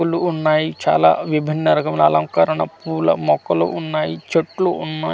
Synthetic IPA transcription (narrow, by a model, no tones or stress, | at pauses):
uluunːaːjit͡ʃa̰ːla̰ːʋibʱinːɐɾɐkɐmlɐlɐŋkɐɾɐɳɐpuːlɐ̰mɔkɐlo̰ʔunːaːjit͡ʃeʈːluʔunːaː